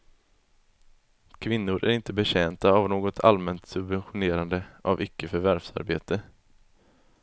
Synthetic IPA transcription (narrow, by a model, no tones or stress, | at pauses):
kʰvɪnːʊɾʔæ̰ɾɪnt̪əbɛɕɛːnt̪aːvnoːɡɔt̪ʰa̰lmɛnt̪sɵbvɛnɧʊneːɾand̪əʔavʏkːəfœɾvæɾfsa̰ɾbḛːt̪ə